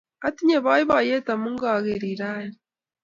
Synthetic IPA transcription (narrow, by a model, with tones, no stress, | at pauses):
a˦ti˦ɲe˨βa˦i˦βa˨je˦ta˨mu˦ŋɡa˨ɣe˨ɾiɾa˦ɾi